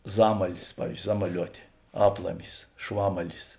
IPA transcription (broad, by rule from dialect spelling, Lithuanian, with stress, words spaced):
ˈzɑːmɐlʲɪs pɐʋʲiːs ˈzɑːmɐˌlʲuɔtʲeː ˈɑːplˠɐmʲɪs ˈʃʋɑːmɐlʲɪs